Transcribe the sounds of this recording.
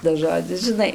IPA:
tɐs ˈʒoːd͡zʲɪs ʒʲɪˈnɐɪ

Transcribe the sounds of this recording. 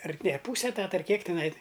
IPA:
ɐr nʲɛ ˈpuːsʲɛ ɛˈtɑːtɐ ɐr ˈkʲiɛk tʲɪˈnɐɪ

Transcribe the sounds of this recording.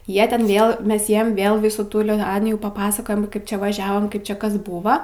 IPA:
ˈjiɛ ˈtʲɛn ˈʋʲeːlˠ ˈmʲɛs ˈjiɛm ˈʋʲeːlˠ ˈʋʲɪsuː ˈtuː lʲɪˈtɑːnʲɪjuː pɐˈpɑːsɐkoːjɛm ˈkɐɪp ˈt͡ʃʲɛ ʋɐˈʒʲæːʋoːm ˈkɐɪp t͡ʃʲɛ ˈkɐs ˈbuːʋɐ

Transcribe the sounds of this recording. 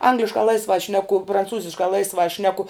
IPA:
ˈɐŋɡlʲɪʃkɑː ˈlˠɐɪsʋɑː ˈʃʲnʲæːkʊ prɐnˈt͡suːzʲɪʃkɑː ˈlˠɐɪsʋɑː ˈʃʲnʲæːkʊ

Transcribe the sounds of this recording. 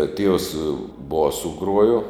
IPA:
ɐ tʲiɛws ˈboːsʊ ˈɡruɔjoː

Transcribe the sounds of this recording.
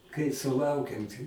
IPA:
kɐɪ sʊˈlˠɐʊkʲɛm ˈtʲɪ

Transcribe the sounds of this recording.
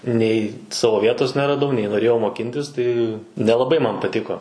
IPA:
nʲɛɪ ˈsɑːʋoː ˈʋʲiɛtoːs nʲɛrɐˈdɐʊ nʲɛɪ noːˈrʲeːjɛʊ moːˈkʲɪnʲtʲɪs ˈtɐɪ nʲɛlˠɐˈbɐɪ ˈmɐn pɐˈtʲɪkoː

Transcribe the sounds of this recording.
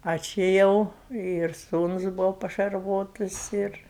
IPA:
ˈɐ t͡ʃʲɪ ˈjɛʊ ɪr ˈsuːnʊs ˈbuːʋoː pɐʃɐrˈʋoːtʊs ɪr

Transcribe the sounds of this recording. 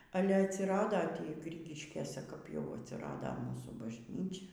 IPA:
ˈɑːlʲɛ ɐtʲsʲɪˈrɑːdoː tʲiː ˈɡrʲɪɡʲɪʃʲkʲeːsʲɛ kɐp jɛʊ ɐtʲsʲɪˈrɑːdɐ ˈmuːsuː bɐʒʲˈnʲiːt͡ʃʲɛ

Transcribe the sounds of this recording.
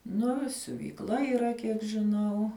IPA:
ˈnʊ ɪ sʲʊʋʲiːkˈlˠɐ iːˈrɐ ˈkʲiɛk ʒʲɪˈnɐʊ

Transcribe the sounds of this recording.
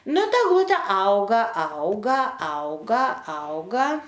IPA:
ˈnʊ ˈtɐ ɛɡˈlˠʊtʲɛ ˈɐʊɡɐ ˈɐʊɡɐ ˈɐʊɡɐ ˈɐʊɡɐ

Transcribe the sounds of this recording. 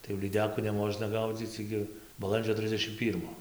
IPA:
tɐɪ jɛʊ lʲiːˈdʲæːkuː nʲɛˈmoːʒnɐ ˈɡɐʊd͡zʲiːt͡s ˈɪɡʲɪ bɐˈlˠɐnʲd͡ʒʲoː ˈtʲrʲɪzʲdʲɛʃʲɪm ˈpʲiːrmoː

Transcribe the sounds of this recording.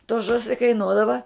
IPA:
toː ˈʒʊsʲɪ kɐɪˈnuɔdɐʋɐ

